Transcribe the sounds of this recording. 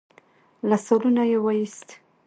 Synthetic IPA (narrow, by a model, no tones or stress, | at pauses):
lasɑlunajewajist̪